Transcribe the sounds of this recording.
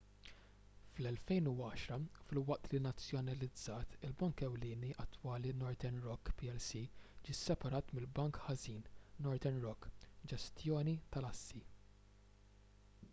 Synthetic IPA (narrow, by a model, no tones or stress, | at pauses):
flɛlfɛjnuɐːʃɾɐfɪlwɐʔt̪linɐt͡sːjɔnɐlɪd͡zːɐːt̪ɪlbɐŋkɛwlɪːniʔɐt̪ːwɐːlinɔɾt̪ɛnɾɔkːpiɛlsid͡ʒiːsɛpɐɾɐːt̪mɪlbɐŋkhɐziːnnɔɾt̪ɛnɾɔkːd͡ʒɛst̪jɔːnit̪ɐlɐsːi